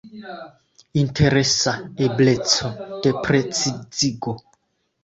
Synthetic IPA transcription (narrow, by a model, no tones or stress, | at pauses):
inte̞ɾe̞saeble̞t͡so̞d̥e̞pɾet͡siz̥iɡo̞